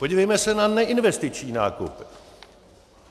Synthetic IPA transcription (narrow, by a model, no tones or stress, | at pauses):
po̞ɟivɛjmɛsɛnanɛʔɪnvɛst̪ɪt͡ʃɲiːnaːkup